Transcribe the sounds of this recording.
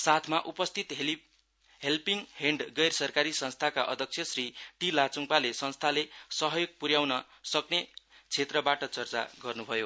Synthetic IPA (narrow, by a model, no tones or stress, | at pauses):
sat̪ʰmaʔupʌst̪ʰit̪ | ɦelpiŋheɳɖɡʌjrsʌrkaɾisʌnst̪ʰakaʔʌ̰d̪ʱʌk̚t͡sʰjʌsriʈilat͡suŋpalesʌnst̪ʰalesʌɦʌjoɡ̚puɾjawnʌ | sʌknet͡sʰet̪rʌbaʈʌt͡sʌrt͡sa̰ɡʌrnubʱʌjo